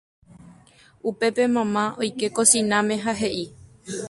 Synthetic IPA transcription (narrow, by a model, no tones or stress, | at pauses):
upe̞pe̞mãmão̞jke̞kosĩnãmẽ̞ɦaɦe̞ʔi